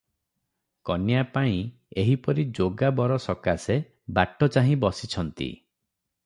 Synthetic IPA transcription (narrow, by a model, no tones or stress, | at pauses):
kɔnjapaĩ | eɦipɔɾid͡ʒoɡabɔɾɔsɔkase | baʈɔt͡ʃaɦĩbɔsit͡ʃʰɔnt̪ḭ